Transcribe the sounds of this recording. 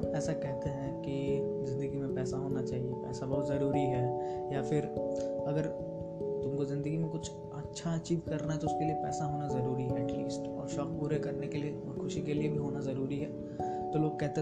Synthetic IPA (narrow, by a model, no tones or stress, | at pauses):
ɛːsakɛɦt̪eɦɛ̃kizɪ̃nd̪əɡimẽpɛːsaɦoːnat͡ʃaːɦiepɛ̰ːsabɐɦʊt̪zɐɾuːɾiɦɛːjafɪɾɐɡəɾ | t̪ʊmkozɪ̃nd̪əɡimẽkʊt͡ʃʰ | ɐtːʃʰaɐt͡ʃiːʋkɐɾnaɦɛt̪oʊskeliepɛːsaɦoːnazɐɾuːɾiɦɛɛʈlḭːsʈɔːɾʃɔːk̚puːɾekɐɾnekelie | xʰʊʃikeliebʱiɦoːnazɐɾuːɾiɦɛː | t̪oloːɡ̚kɛɦt̪e